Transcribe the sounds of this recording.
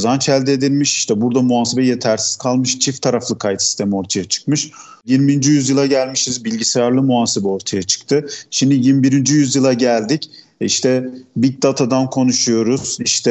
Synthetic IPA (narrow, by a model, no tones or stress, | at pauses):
zant͡ʃʰælʲd̪ed̪ilʲmiʃi̥ʃt̪ʰɛbuɾd̪amuaːse̞bɛje̞t̪ʰæɾsi̥z̥kʰalˠmɯʃt͡ʃʰift̪ʰaɾaflˠɯkʰajt̪si̥st̪ʰe̞mio̞ɾt̪ʰajat͡ʃʰɯ̥kmɯʃ | jinbiind͡ʒyjyzjɯlˠaɟælʲmiʃizbilʲɟisejaɾlˠɯmuaːsebɛo̞ɾt̪ʰajat͡ʃʰɯ̥k̚t̪ʰɯʃimd̪ijimbiɾind͡ʒyjyzjɯlˠaɟælʲd̪ic | ḭʃt̪ʰɛbic̚d̪at̪ʰad̪ankʰo̞nuʃujo̞ɾuz̥iʃt̪ʰɛ